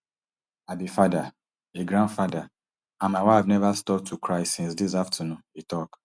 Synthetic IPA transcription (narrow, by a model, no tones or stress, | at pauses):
abifada | eɡɾãndfada | ãnmaɪwaɪfnɛvastɔp̚tʰːukʰɹaɪsĩnsdisaftʰanũnitɔk